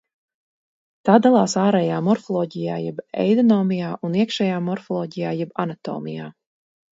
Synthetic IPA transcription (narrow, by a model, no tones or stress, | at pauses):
t̪aːd̪alˠaːsaːɾɛjaːmɔɾfɔlˠɔːɟijaːjɛbɛ̰jd̪ɔnɔːmijaːʔuniɛkʃɛjaːmɔɾfɔlˠɔːɟijaːjɛbanat̪ɔ̰ːmʲḭja̰ː